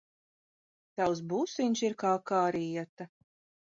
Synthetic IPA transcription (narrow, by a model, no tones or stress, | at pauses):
t̪aws̬businʲsiɾkaːkaːɾijɛt̪a